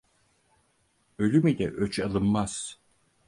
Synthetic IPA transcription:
ølʲymilʲɛʔøt͡ʃalˠɯnmaz̥

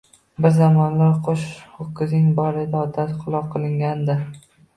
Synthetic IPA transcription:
bɪɾzamɒnlaɾqʰoʃχokːɪzɪŋbɒɾɪd̪aɒd̪ːat̪qʰʊlˠɒqʰɨlˠɪŋɡʲand̪ɪ

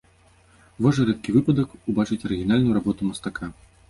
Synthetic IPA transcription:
vɔʐɐɾɛt̪̚kʲivɨpɐd̪ɐkubat͡ʂɨt͡sʲɐɾɨɣʲinalʲnujuɾabɔt̪umɐst̪akʰa

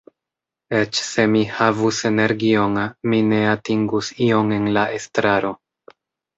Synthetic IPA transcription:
e̞t͡ʃse̞mihavuse̞ne̞ɾɡioŋmine̞atiŋɡusio̞ŋe̞nlaʔe̞stɾaɾo̞

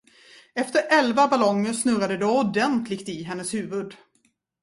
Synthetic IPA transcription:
ɛft̪əɾɛlvabalɔŋːəɾʂnɵɾad̪əd̪ɔʊd̪ɛnt̪ʰlɪɡt̪ɪɦɛnːəshʉ̟ːvɵd̪

